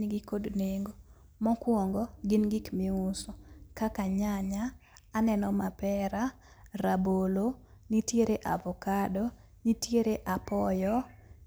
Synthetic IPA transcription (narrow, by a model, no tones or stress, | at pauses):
niɡikodneŋɡo | mɔkwɔŋɡɔɡɪnɡikmiʊsɔkakaɲaɲaːnɛnɔmapɛɾa | rabolonitjeɾeʔa̰vɔkadɔ | nitjeɾeʔapɔjɔ